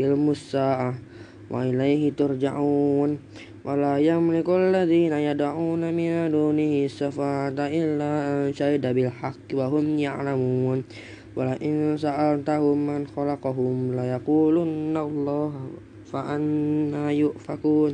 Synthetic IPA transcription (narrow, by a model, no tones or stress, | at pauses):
almusaʔa | wʔa̰ʔilajɦit̪ʊrd͡ʒaʔun | wʔalajaŋmənikulːaðinajadaʕuːnaminad̪unihisafat̪aʔilːaʃaidabɪlħakːwaɦʊmjaʕlamuːn | walaʔinsaʔant̪aɦumːanxɔlaqɑɦʊmlajaqulunːalˤːɑɦ | faʔanːajʊʔfakuːn